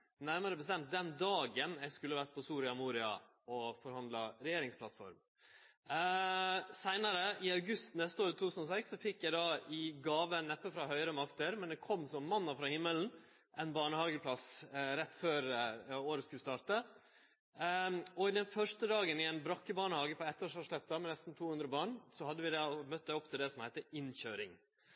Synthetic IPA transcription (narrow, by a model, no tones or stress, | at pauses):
næɾməɾəbəst̪ɛmt̪̚d̪ɛnd̪ɑːɡənæɪskʉlːəʋæɾʈ̪̚pʰɔsuːɾɪɑmuːɾɪɑ̰ | ɔfɔɾhɑnd̪lɑɾɛjeːɾɪŋspʰlɑt̪fɔ̰ɾm | sæɪnɑɾəʔɪɑʉɡʉst̪nɛst̪əoːɾt̪ʰut̪ːʉːsn̩ɔsɛksːɔfɪkːjæɪd̪ɑːɪɡɑːʋənɛpːəfɾɑɦhœʏəɾəmɑkt̪əɾmɛnd̪ɛkʰɔmːsɔmːɑnːɑfɾɑːhɪmːəln̩ | ʔɛɪnbɑːɳəhɑːɡəpʰlɑsɾɛt̪ːføːɾoːɾəskʉlst̪ɑːɾt̪ə | ɔɪd̪ɛnfœʂʈəd̪ɑːɡənɪɛɪnbɾɑkːəbɑːɳəhɑːɡəpʰɔɛt̪ːoːʂɑːʂlɛp̪ːɑmɛnɛst̪n̩t̪ʰuːhʉnd̪ɾəbɑːɳsɔhɑd̪ːəʋɪd̪ɑmœt̪̚ːd̪ɛɔpːt̪ʰɪld̪ɛsɔmhæɪt̪əɪnçøːɾɪ̰ŋ